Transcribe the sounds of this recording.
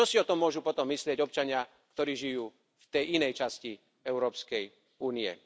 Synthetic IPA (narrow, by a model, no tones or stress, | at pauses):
t͡ʃɔsiɔt̪ɔmːʊɔʒupɔt̪ɔmːislɪɛɟɔp̚t͡ʃaɲɪa | kt̪ɔɾiːʒijuː | ft̪ɛjinɛjt͡ʃasci | ɛʊɾɔːpskɛj | uːniɛ̰